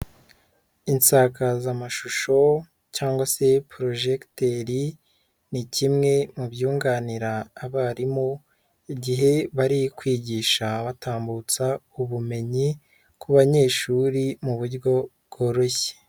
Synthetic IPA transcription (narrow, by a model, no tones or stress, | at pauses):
insakazamaʃuʃo̞ | caːŋɡwase̞pɾo̞ʒekteɾi | nicimŋe̞mubjuːŋɡaːniɾaːβaɾimo | iɟiɦe̞βaɾikwiːɟiːʃaβataːmbut͡sauβume̞ɲi | kuβaɲe̞ːʃuːɾimuβuɾɡo̞bɡ̥o̞ɾoçe̥